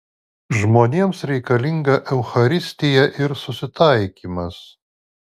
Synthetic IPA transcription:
ʒmoːnʲeːmsɾʲɛɪkɐlʲɪŋɡɐʔɛʊxɐɾʲɪsʲt̪ʲɪjɛʔɪɾsʊsʲɪt̪ɐɪkʲiːmɐs

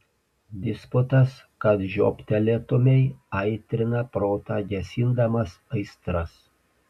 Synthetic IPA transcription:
d̪ʲɪspʊt̪ɐs | kɐt̪ʒʲo̰ːpʲt̪ʲɛlʲɛt̪ʊmʲɛɪɐɪt̪ʲɾʲɪnɐpɾoːt̪ɑːɡʲɛsʲɪnd̪ɐmɐsɐɪst̪ɾɐs

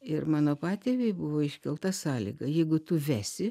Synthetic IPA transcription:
ɪrmɑːnoːpɑːt̪ʲeːʋʲeɪbʊʋoːɪʃʲkʲɛlˠt̪ɐsɑːlʲḭːɡɐjɛɪɡʊt̪ʊʋʲæːsʲɪ

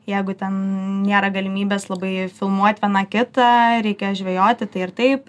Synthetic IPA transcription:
jɛɪɡʊt̪ʲɛnnʲeːɾɐɡɐlʲɪmʲiːbʲeːslˠɐbɐɪfʲɪlˠmuɔt̪ʲʋʲiɛnɑkʲɪt̪ɐɾʲɛɪkʲeːjoʒʲʋʲejoːt̪ʲɪt̪ɐɪɪɾt̪ɐɪp

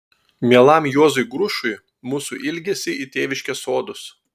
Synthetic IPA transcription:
mʲiɛlˠɐmjoːzʊjɡɾʊʃʊɪ | muːsuˑʔɪlʲɡʲɛsʲɪit̪ʲeːʋʲɪʃʲkʲɛsoːd̪ʊs

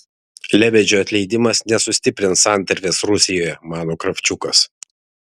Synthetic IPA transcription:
lʲɛbʲɛd͡ʒʲoːɐt̪ʲlʲɛɪd̪ʲɪmɐsnʲɛsʊsʲt̪ʲɪpʲɾʲɪnsɑˑnʲt̪ʲɐɾʲʋʲeːsɾʊsʲɪjoːjɛmɑːnoːkɾɐfʲt͡ʃʲʊkɐs

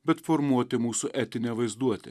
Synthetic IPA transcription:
bʲɛt̪fɔɾmuɔt̪ʲɪmuːsʊʔɛt̪ʲɪnʲɛʋɐɪzd̪uɔt̪ʲɪ

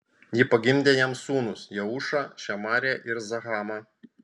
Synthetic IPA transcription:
jɪpɐɡʲɪmʲd̪ʲeːjɛmsuːnʊsjɛʊʃɑʃʲɛmɑːɾʲɛʔɪɾzɐɣɑːmɑ

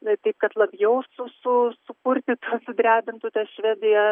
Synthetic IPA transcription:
t̪ɐɪp̚kɐt̪lˠɐbʲjɛʊsʊsʊsʊkʊɾʲt̪ʲɪt̪uɔsʊd̪ʲɾʲæːbʲɪnt̪uːt̪ʲɛʃʲʋʲæːd̪ʲɪjɛ

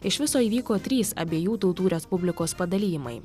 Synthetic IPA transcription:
ɪʃʋʲɪsoːiːʋʲiːkoːt̪ʲɾʲiːsɐ̰bʲeːjuːt̪ʊlˠt̪uːɾʲɛspʊbʲlʲɪkoːspɐd̪ɐlʲiːjmɐ̰ɪ

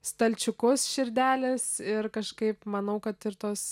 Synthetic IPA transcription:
st̪ɐlʲt͡ʃʲʊkʊsʃʲɪɾʲd̪ʲæːlʲɪsɪrkɐʃkɐɪpmɐnɐʊkɐt̪ɪrt̪oːs

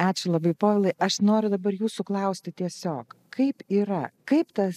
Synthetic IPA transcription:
ɑːt͡ʃʲʊlˠɐbɐɪpoːʋʲɛlˠɐɪʔɐʃnoːɾʲʊd̪ɐbɐɾjuːsʊklˠɐʊsʲt̪ʲɪt̪ʲiɛsʲoːk | kʰɐɪpiːɾɐkɐɪpt̪ɐs

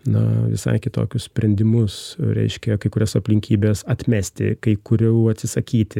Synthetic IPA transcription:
nɐ̰ʋʲɪ̰sɐ̰ɪkʲɪt̪o̰ːkʲʊssʲpʲɾʲɛnʲd̪ʲɪmʊsɾʲɛ̰ɪʃʲkʲɛkɐɪkʊɾʲoːsɐpʲlʲɪŋʲkʲʰiːbʲeːsɐt̪ʲmʲæːsʲt̪ʲɪ̰kɐɪkʊɾʲɛʊɐt̪ʲsʲɪsɐkʲiːt̪ʲɪ

